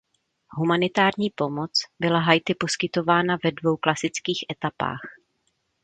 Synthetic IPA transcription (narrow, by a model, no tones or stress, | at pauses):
ɦumanɪt̪aːɾɲiːpo̞mo̞t͡sbɪlaɦajt̪ɪpo̞skɪt̪o̞vaːnavɛdvo̞wklasɪt͡skiːxʔɛt̪apa̰ːx